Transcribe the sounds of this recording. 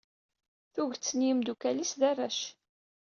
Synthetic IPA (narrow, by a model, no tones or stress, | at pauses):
θuʝt͡sːniəmd̪ukælisðærˤːæʃ